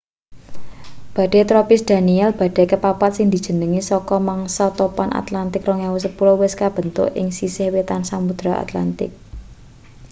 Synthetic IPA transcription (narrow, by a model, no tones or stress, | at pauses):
b̥ä̤ɖ̥e̤t̪ɾɔpɪsd̪̥a̤niɛlb̥a̤d̥ɛ̤kəpapat̪̚sɪŋd̪i̤d̥ʒ̥ə̤nəŋisɔkɔmaŋsɔt̪ɔpanʔa̰t̪lant̪ɪkrɔŋawɔsəpulowɪskab̥ə̤nt̪ʊ̰ʔɪ̰ŋsisɪhwet̪ansaŋpud̪̥ɾaa̰t̪la̰nt̪ɪ̰k̚